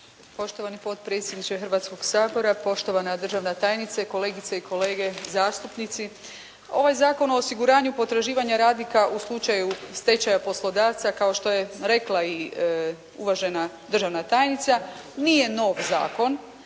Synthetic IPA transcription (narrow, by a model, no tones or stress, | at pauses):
po̞ʃt̪o̞ʋanipo̞t̪pɾet̪sʲje̞d̪nit͡ʃexrɾʋaːt̪sko̞ɡsaːbo̞ɾapo̞ʃt̪o̞ʋanad̪r̩ʒaʋnat̪aːjnit̪sako̞le̞ːɡit̪seiko̞le̞ːɡe̞zaːst̪upnit̪si | o̞̰ʋajzaːko̞no̞ːsiɡuɾaːɲupo̞t̪ɾaʒiːʋaɲaɾaːd̪nikaʔuslˠut͡ʃajust̪e̞t͡ʃajapo̞slo̞d̪aːʋt̪sakao̞ʃt̪o̞jeɾe̞klˠai | uʋaʒe̞nad̪rʒaʋnat̪aːjnit̪sanije̞no̞ʋza̰ːko̞n